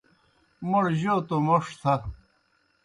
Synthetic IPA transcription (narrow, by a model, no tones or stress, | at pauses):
moɽʑoːt̪omoʂt̪ʰɐ